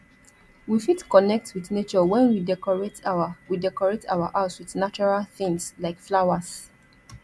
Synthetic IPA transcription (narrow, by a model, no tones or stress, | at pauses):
wifitkɔnɛk̚twiθnet͡ʃɔwɛ̃nwidɛkɔɹetʰaawidɛkɔɹetʰa̰waʔaswiθnat͡ʃɔɹalθɪ̃ŋslaɪkflaʊas